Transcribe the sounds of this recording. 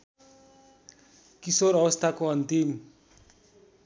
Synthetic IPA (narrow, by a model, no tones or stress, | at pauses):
kisoɾʌbʌst̪ʰakoʌnt̪im